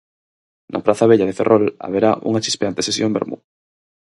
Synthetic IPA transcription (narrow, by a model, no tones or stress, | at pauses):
nʔa̰pɾaθaβ̞eʎað̞e̞ferʔola̰β̞eɾaʔṵŋat͡ʃi̥speant̪e̞sesjombe̞̰ɾmṵ